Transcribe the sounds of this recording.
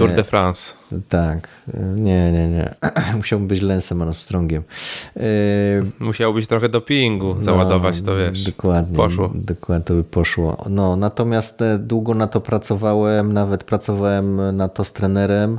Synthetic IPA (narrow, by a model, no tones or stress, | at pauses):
t̪uɾd̪ɛfɾanst̪ak | ɲɛɲɛɲɛ̰muɕawɛmbɘt͡ɕlɛnsɛmɔɾɔst̪ɾɔŋɡʲɛm | muɕawbɘɕt̪ɾɔxɛd̪ɔpʲiiŋɡuzawad̪ɔvat͡ɕt̪ɔvʲjɛʂd̪ɔkwad̪ɲɛɔwɔd̪ɔkwat̪ɔbɘpɔʂwɔ̰nɔnat̪ɔmʲjast̪d̪wuɡɔnat̪ːɔpɾat̪sɔvawɛmnavɛt̪pɾat̪sɔvawɛmnat̪ːɔst̪ɾɛnɛɾɛm